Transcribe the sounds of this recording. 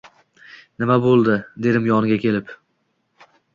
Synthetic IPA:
nɪmabolˠd̪ɪd̪e̞d̪ɪmjɒnɪɡʲakʲʰe̞lɪp

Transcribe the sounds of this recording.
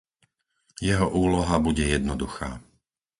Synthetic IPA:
jɛɦɔʔuːlɔɦabuɟɛjɛd̪nɔd̪uxa̰ː

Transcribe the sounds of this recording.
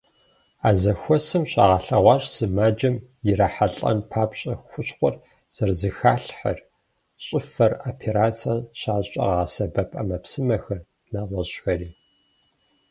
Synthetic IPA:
aːzɐxʷɔsɨmɕʼa̰ːʁɐɬɐʁʷɑːɕʼsɨmaːd͡ʒɐmjɪɾaħaɬʼɐ̰npʰaːpɕʼɐxʷʊɕχʷɔr | z̥ɐrzɨxaːɬħɐ̰r | ɕʼɪfɐrapʰeɾaːt͡sʰɐɕaːɕʼɐ̰ʁaːsɐbɐpʼɐ̰mɐpsɨmɐxɐr | naːʁʷɔɕxɐriː

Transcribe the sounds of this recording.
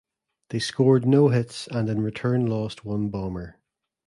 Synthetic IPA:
ðeskɔɹdⁿnoʊɦɪtsə̃nɪ̃nɹɪtʰɜ̃˞nlˠɔst̚wʌ̃nbɔmə˞

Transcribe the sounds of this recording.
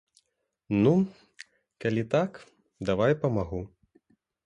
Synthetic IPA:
nu | kalʲit̪ak | d̪avajpɐmaɣu

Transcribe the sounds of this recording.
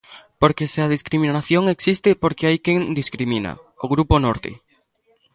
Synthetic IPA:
poɾkeseað̞iskɾimĩnaθjoŋeksist̪ɪpoɾkeajkeŋd̪iskɾimĩna̰ | oɣɾuponoɾt̪ḛ

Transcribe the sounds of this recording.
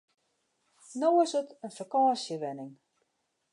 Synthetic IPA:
noːəsətənfakɑːsjəʋɛnɪŋ

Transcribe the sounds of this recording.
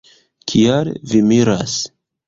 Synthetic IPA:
kʰijaɾvimiɾa̰s

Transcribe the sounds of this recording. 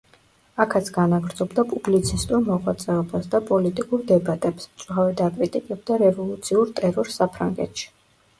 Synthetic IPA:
akʰat̪sʰɡ̥anaɡɾd̪zɔbd̪apʼublit̪sʰist̪ʼuɾmɔʁwat̪sʼɛɔbasd̪apʼɔlit̪ʼikʼuɾd̪ɛbat̪ʼɛpsmt̪sʼuχavɛd̪akʼɾit̪ʼikʼɛb̚d̪aɾɛvɔlˠut̪sʰiuɾt̪ʼɛɾɔɾsːapʰɾa̰ŋɡɛ̰t̪ʰʃi̥

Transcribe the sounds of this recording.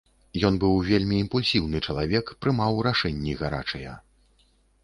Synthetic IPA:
jɔnbɨwvʲelʲmʲiːmpulʲsʲiwn̪ɨt͡ʂɐlˠavʲɛkpɾɨmawɾaʂɛnʲːiɣaɾa̰t͡ʂɐjɐ

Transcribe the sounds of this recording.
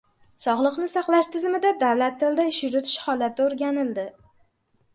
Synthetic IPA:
sɒʁlˠɨqnɪsɑqlˠaʃt̪ʰɪzmɪd̪ad̪awlat̪ʰːɪld̪aɪʃjʊɾʊt̪ʰɪ̥ʃhɒlˠat̪ʰɪoɾɡʲanɪld̪ɪ

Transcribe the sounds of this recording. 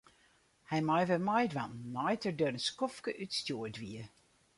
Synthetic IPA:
hɛjmajʋɛmɔjdʋanːɔjtərdøɾənskɔfkəʔytstjoədʋiə

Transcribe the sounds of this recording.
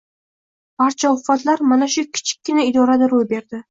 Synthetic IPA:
b̥aɾt͡ʃʰaʊfat̪laɾmanaʃʊkʲʰɪ̥t͡ʃʰɪ̥kʲːɪnaɪd̪ɒɾad̪aɾojbe̞ɾd̪ɪ

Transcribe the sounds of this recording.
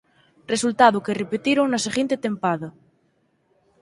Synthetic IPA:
result̪aðʊkerepet̪iɾoŋnaseɣent̪et̪empaðɐ

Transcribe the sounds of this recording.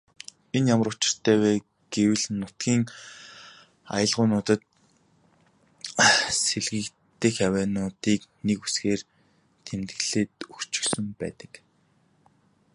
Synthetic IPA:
enjamə̆ɾʊt͡ɕɪ̥̆r̥t̪ʰæːwæː | ɡ̥ewɘ̆ɮnʊt̪ɡʲiːŋ | a̰jə̆ɮʁʊːnʊːt̪ə̆t̪̚ | seɮɣɘ̆k | t̪ɘ̆xjawæːnʊːt̪iːknekusxeːr | t̪ʰemt̪ɡɘ̆ɮeːt̪ɵxt͡ɕɪ̥̆xsɘ̆mpæ̰ːt̪ə̥̆k

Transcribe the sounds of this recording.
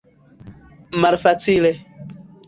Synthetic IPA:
malfat͡sile

